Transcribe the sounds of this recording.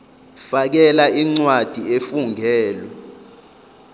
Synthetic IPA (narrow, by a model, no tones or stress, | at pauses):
fak̬ɛlaʔiŋ͡ǀwad̥ʱiefuŋʱɛːlwɛ